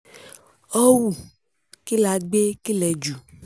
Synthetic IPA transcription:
ɔ˦wu˨ | ki˦la˨ɡ͡be˦ki˦lɛ˨˦d͡ʒu˨

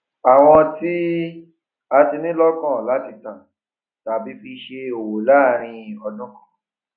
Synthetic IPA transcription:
a˨w̃ɔ̃˧ti˦ | a˧ti˧nĩ˦lɔ˦kɔ̃˦˨la˨˦ti˦˨tã˨ | ta˨bi˨˦fi˧ʃe˧o˨wo˨la˦˨ɾ̃ĩ˧ɔ˧dũ˦kɔ̥̃˦˨

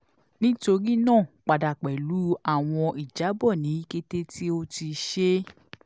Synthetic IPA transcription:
nĩ˦to˧ɾi˦nãː˦˨k͡pa˨da˨k͡pɛ˨lu˨˦a˦˨w̃ɔ̃˧i˨d͡ʒa˨˦bɔ˦˨nĩ˨˦i˦ke˦te˦ti˦o˦ti˧ʃe˦

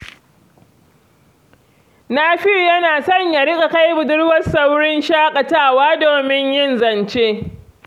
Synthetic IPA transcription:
naː˦ɸɪ˦ɾjɐ˦naː˨sɔ˦˨ɲja˨ɽɪ˦kʼa˨ka˦jbʊ˨dʊ˦ɽwɐ˦sa˦wɽɪ˦nʃaː˦kʼɐ˨taː˦˨waː˦doː˨mɪ˦ɲjɪ˦nzɐ˨nt͡ʃeː˦

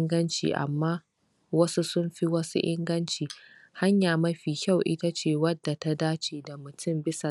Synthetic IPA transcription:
ŋɡɐ˦nt͡ʃḭː˨ʔa̰˨mːaː˦ | wɐ˦su˦sʊ˦mɸi˦wɐ˦sṵ˦ʔɪ̰˦ŋɡɐ˦nt͡ʃiː˨ | ha˦ɲjaː˨mɐ˦ɸiː˨kʲa˦˨wʔɪ˦ta˦t͡ʃeː˨wɐ˦dːa˨ta˦daː˦t͡ʃeː˨da˨mʊ˨tʊ˦mbɪ˦sa˨

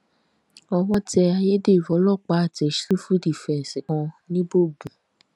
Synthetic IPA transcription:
ɔ˧wɔ˦tɛ˧a˧je˦de˦˨fɔ˨˦lɔ˦˨k͡pa˨˦a˦˨tɛ˨˦ʃɾu˦fu˦di˦˨fɛ˨sɛ˨kã˧nĩ˦bo˦˨bu˨

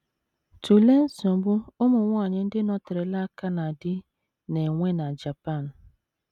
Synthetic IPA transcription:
tu˨le˦n̩˦sɔ˨˦bʊ˦ʊ˦mʊ˨ŋʷa˦˨ɲɪ˦n̩˦dɪ˦nɔ˦tɪ˨ɾe˨la˦ka˦na˨dɪ˦ | ne˨ŋʷe˦na˨d͡ʒa˨pa˦˨n̩˨

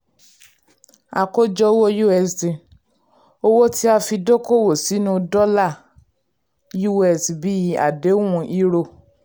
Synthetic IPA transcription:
a˧ko˦d͡ʒɔ˦wo˦ju˦ɛ˨stĩ˨ | o˧wo˦ti˦a˧fi˧do˦ko˦˨wo˨si˨˦nũ˧dɔ˦la˦˨ | ju˦ɛ˨si˨bi˦ji˧a̰˨de˨˦wũ˧ʔi˧ɾo˧˨

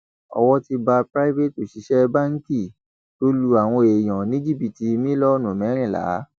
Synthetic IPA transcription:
ɔ̰˧wɔ˧ti˧ba˧pɾa˦i˦ve˦˨to˨ʃi˨˦ʃɛ˦ba˦ŋ̩˦ki˦˨ | to˦lu˧a˨w̃ɔ̃˧e˨j̃ɔ̃˨nĩ˦d͡ʒi˦˨bi˨ti˧˦mĩ˦lɔ˦nũ˨mɛ̃˨˦ɾ̃ĩ˦˨la̰˨˦

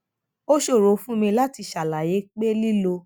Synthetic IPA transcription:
o˦ʃo˦˨ɾo˨˦fũ˦mĩ˧la˦ti˧ʃa˨la˨je˨˦k͡pe˦li˦lo˧

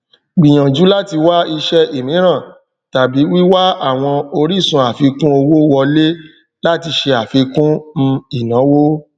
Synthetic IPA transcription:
ɡ͡bi˨j̃ã˨d͡ʒu˨˦la˦ti˧wa˦i˧ʃɛ˦e˨mĩ˨˦ɾ̃ã˦˨ | ta˨bi˨˦wi˦wa˦a˦˨w̃ɔ̃˧o˧ɾi˦˨sũ˧a˨fi˧kũ˦o˧wo˦wɔ˧le˦ | la˦ti˧ʃe˧a˨fi˧kũ˦n̩˧i˦˨nã˨˦wo˦

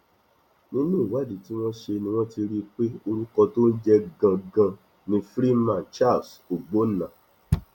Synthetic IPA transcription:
nĩ˦nũ˦˨wa˦˨di˨ti˦w̃ɔ̃˦ʃe˧nĩ˧w̃ɔ̃˦ti˧ɾi˦k͡pe˦o˧ɾu˦kɔ˧to˦n̩˦d͡ʒɛ˦ɡã˧ɡã˧ | nĩ˧fɾi˦mã˨nt͡ʃa˦˨so˨ɡ͡bo˨˦n̩˨nã˨

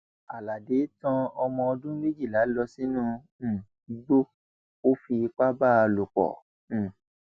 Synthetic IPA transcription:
a˨la˨de˨˦tɔ̃˧ɔ˧mɔ̃˧ɔ˧dũ˦me˦d͡ʒi˦˨la˨˦lɔ˧si˦nũ˦˧˦ | ɡ͡bo˦ | o˦fi˧k͡pa˦ba˦˧lo˨k͡pɔ̰̃˨

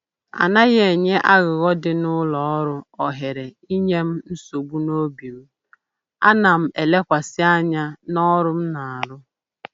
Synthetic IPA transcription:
a̰˨na˦ɣe˨ɲe˦ʔa˦ɣʊ˨ɣɔ˦dɪ˦nʊ˦lɔ˨ɔ˦ɾʊ˦ɔ˨ɦe˨ɾe˨ | i˦ɲe˦m̩˦n̩˦so˨ɡ͡bu˦no˦bi˨ɣu˦ | a̰˦na˨m̩˨e˨le˦kʷa˨sɪ˦a˦ɲa˦nɔ˦ɾʊ˦m̩˦na˨a˨ɾʊ˦

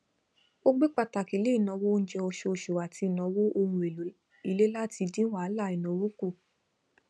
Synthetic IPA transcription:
o˦ɡ͡be˦k͡pa˦˨ta˨ki˨˦le˦i˦˨nɔ̃˧˦wõ˦˧˦d͡ʒɛ˧o˧ʃo˧o˧ʃo˨a˨tʰi˧˨nɔ̃˨˧˦wo˦o˧hũ˧e˨lu˨˦ | i˧le˦la˦ti˧dĩ˦wa˦la˦˨i˨nɔ̃˨˦wu˦ku˦˨

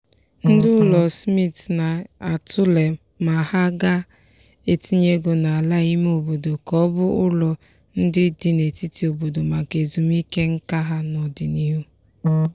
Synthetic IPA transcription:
n̩˦dɪ˦ʊ˦lɔ˨smi˦tna˨a˨tʰʊ˦le˨ | ma˨ha˦ɡa˦ | e˨ti˦ɲe˦ɡo˨na˨a˨la˦i˦m˦o˨bo˨do˨kɔ˦bʊ˦ʊ˦lɔ˨ | n̩˦dɪ˦dɪ˨ne˨ti˦ti˨o˨bo˨do˨ma˨ke˨zu˨m˦i˦ke˦ŋ̩˦ka˦ɦa˦nɔ˨dɪ˨ni˦ɦu˦

